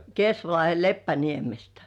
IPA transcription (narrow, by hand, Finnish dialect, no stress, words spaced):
kesʋɑlɑhe lepːæniemestæ̥